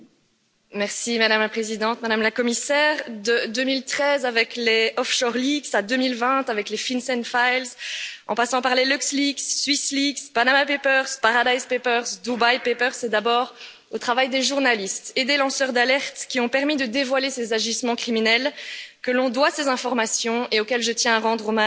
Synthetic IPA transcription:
mɛʁsimad̪amlapχezid̪ɑ̃t̪mad̪amlakɔmisɛːʁd̪əd̪ømilt̪χɛzavɛkleɔfʃɔʁliksad̪ømilvɛ̃t̪avɛklefinsɛnfajlsɑ̰̃pasɑ̃paʁlelyksliksːɥislikspanamapepœʁspaʁad̪ajspepœʁsd̪ubajpepœʁsɛd̪abɔːʁ | ot̪χavajd̪eʒuʁnalist̪ed̪elɑ̃sœʁd̪alɛʁt̪kʲiɔ̃pɛʁmid̪əd̪evwalesezaʒismɑ̃kχiminɛlkəlɔ̃d̪wasezɛ̃fɔʁmasjɔ̃eokɛlʒət̪jɛ̃aʁɑ̃d̪ʁoma

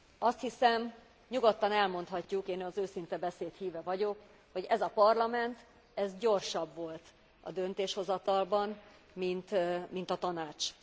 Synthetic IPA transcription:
ɒst̪hisɛm | ɲuɡo̞t̪ːɒnɛlmo̞nt̪hɒcːukeːnɒzøːsint̪ɛbɛseːt̪hiːvɛvɒɟo̞k | ho̞ɟɛzɒpɒrlɒmɛnt̪ | ɛzɟo̞rʃɒbvo̞lt̪ | ɒ̰d̪ø̞nt̪eːʃho̞zɒt̪ɒlbɒn | mint̪mint̪ɒt̪ɒnaːt͡ʃ

